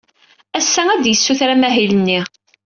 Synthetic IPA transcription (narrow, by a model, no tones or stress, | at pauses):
æsːæŋæd̪jəsːuθɾæmæɦilənːi